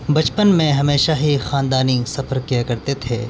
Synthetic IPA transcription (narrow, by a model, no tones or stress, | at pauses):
bɐt͡ʃpənmẽɦɐmeːʃaɦixaːnd̪aːnisɐfəɾkijakɐɾt̪et̪ʰḛː